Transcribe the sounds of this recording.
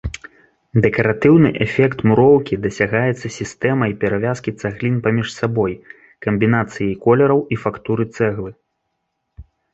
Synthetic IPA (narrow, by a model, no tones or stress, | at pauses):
d̪ɛkɐɾat̪ɨwnɨʔɛfʲɛkt̪muɾɔwkʲid̪ɐsʲaɣajɛt̪sːɐsʲist̪ɛmɐjpʲɛɾavʲaskʲit̪saɣlʲinpamʲiʂsabɔj | kɐmʲbʲin̪at̪sɨjikɔlʲɛɾɐwifakt̪uɾɨt̪sɛɣlˠɨ